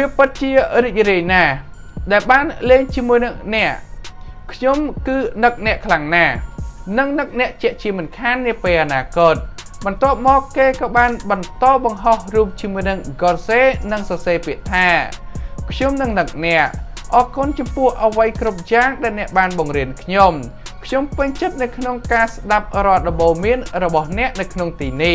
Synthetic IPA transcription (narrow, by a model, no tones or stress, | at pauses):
ʋiəpɨt̪̚t͡ɕiəriːc̚riəjnaː | ɗaɛlɓaːnleːŋt͡ɕiəmuəjnɨŋnɛ̆əʔkʰɲomkɨːnɨk̚nɛ̆əʔkʰlaŋnaːnɨŋnɨk̚nɛ̆əʔt͡ɕɛ̆əʔt͡ɕiəmɨnkʰanːiəpeːlʔanaːkoːt̪̚ | ɓɑnt̪ŏəp̚mɔːkːeːkɑːɓaːnɓɑnt̪ɑːɓɑŋɦohruːp̚t͡ɕiəmuəjnɨŋɡolseːnɨŋsɑseːpiəʔt̪ʰaː | kʰɲomnɨŋnɨk̚nɛ̆əʔʔɑːkunt͡ɕɑmpʊ̆əhʔəʋəjkrup̚jaːŋɗaɛlnɛ̆əʔɓaːnɓɑŋriənkʰɲom | kʰɲompɨɲt͡ɕət̪̚nɨwkʰnoŋkaːsɗap̚rŏət̪̚ɗɑmɓoːmiənrɔɓɑhnɛ̆əʔnɨwkʰnoŋt̪iːnih